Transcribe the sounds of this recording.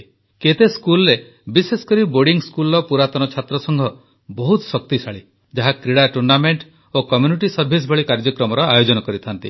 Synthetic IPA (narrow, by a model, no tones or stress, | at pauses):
ket̪eskulɔɾe | bisesɔ̥kɔɾiboɾɖiŋskulɔpuɾat̪ɔnɔt͡ʃʰat̪ɾɔsɔŋɡʱɔ | bɔɦut̪sɔk̚t̪isaɭi | d͡ʒaɦakɾiɽaʈuɾnameɳʈ | okɔmjuniʈisɔɾbʱis̬bʱɔɭikaɾd͡ʒɔkɾɔmɔɾɔajod͡ʒɔnɔkɔɾit̪ʰant̪ḭ